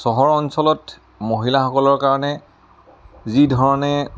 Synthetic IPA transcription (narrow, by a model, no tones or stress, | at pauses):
sɔɦɔɹɔnsɔlɔt | moɦilaxɔkɔlɔɹkaɹɔnɛ | zidʱɔɹɔnɛ